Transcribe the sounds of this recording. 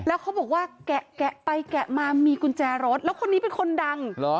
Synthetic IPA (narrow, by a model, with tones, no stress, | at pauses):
lɛː˦˥wkʰa˦˥wbɔː˨˩k̚waː˥˩kɛ˨˩ʔkɛ˨˩ʔpa˧jkɛ˨˩ʔmaː˧miː˧ku˧nt͡ɕɛː˧ɾɔː˦˥t̪̚lɛː˦˥wkʰo˧nːiː˦˥pe˧nkʰo˧nda˧ŋlɔ˦